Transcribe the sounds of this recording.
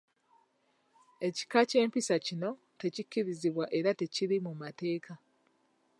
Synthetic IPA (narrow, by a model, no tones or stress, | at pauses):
e̞ci̥kace̞ːmpisacino̞ | te̞cikːiɾiziβwaʔe̞ɾate̞ciɾimumate̞ːka